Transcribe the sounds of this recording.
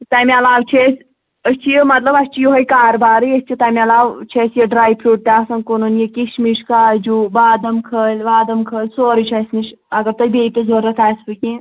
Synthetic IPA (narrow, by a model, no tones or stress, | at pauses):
t̪amiɐlaːwt͡ʃʰesʲ | əst͡ʃʰijimɐt̪lɐbɐsʲt͡ʃʰijoɦɐjkaːɾbaːɾɨjəsʲt͡ʃʰit̪amʲiɐlaːwt͡ʃʰesjiɖɾaːjpʰluːʈ̚t̪ʲasɐnkonunjikʲiʃmiʂkaːd͡ʒubaːd̪ɐmkʰəːlʲʋaːd̪ɐmkʰəːlʲsoːɾit͡ʃʰɐsʲmiʃɐɡɐɾt̪ɐjbeːp̪ʲezoɾɐt̪ʰaːsʲpɨkʲi